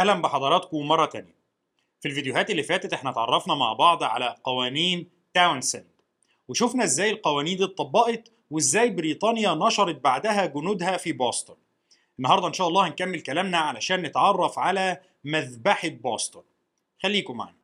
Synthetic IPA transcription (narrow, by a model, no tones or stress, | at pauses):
ʔæhlæmbeħɑd̪ˤɑɾˤɑːt̪kowemɑrˤːɑt̪æ̰ːnjæ | filvid̪ejʊɦæːt̪elːifæːt̪æt̪ʔeħnæt̪ʕɑ̰rˤːɑfnɑma̰ʕbɑʕd̪ˤʕa̰læqɑwæːniːn | t̪awnsænd̪ | weʃofnæʔezːæːjelqɑwæːniːnd̪iːt̪ˤːɑbːɑʔet̪ | weezːæːjbɾiːt̪ˤɑːnjænɑʃɑɾˤɑt̪̚baʕd̪æɦæɡʊnuːd̪hæfiboːst̪ˤon | ʔʔenːɑhɑɾd̪ˤɑʔenʃæːʔɑlˤːɑːhnkæmːelkælæːmnæʕalæʃæːnːet̪ʕɑrˤːɑfʕalæ | mæðbaħebɑːst̪ˤon | xælːiːkoma̰ʕa̰næ